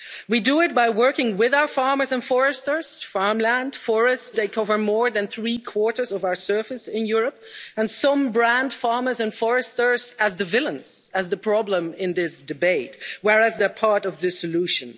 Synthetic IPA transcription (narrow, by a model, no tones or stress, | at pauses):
widəɪt̚b̥aɪwɜ˞kɪ̃ŋwɪðaʊə˞fɑɹmə˞zə̃nfɔɹɨstə˞z̥fɑɹmlæ̃nd̥fɔɹɨstðeɪkʰʌvə˞mɔɹðɨ̃nθɹikʰw̥ɔɹɾə˞zʌvaʊə˞sɜ˞fɨsɪ̃njʊɹəp̚ | ɨ̃nsʌ̃mbɹæ̃nd̥fɑɹmə˞zɨ̃nfɔɹɨstə˞zəzðɨvɪlˠə̃nz̥ɨzðəpʰɹ̥ɑblə̃mɪ̃nðɪsd̥ɨbeɪt̚wɛɹæzðə˞pʰɑɹɾʌvðɨsɨluʃɨ̃n